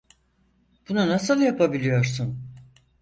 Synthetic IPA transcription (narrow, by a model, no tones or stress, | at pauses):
b̥ununasɯlˠjapʰabilʲijo̞ɾsun